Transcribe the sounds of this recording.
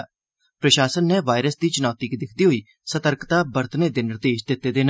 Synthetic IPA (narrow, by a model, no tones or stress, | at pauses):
pɾəʃaːsənːɛːʋaːɪɾəsd̪iːt͡ʃɪnɔːt̪iːkd̪ɪkʰd̪iːɦoːiː | sət̪əɾkt̪aːbəɾt̪neːd̪ɪnəɾd̪eːʃd̪ɪt̪ːeːd̪eːn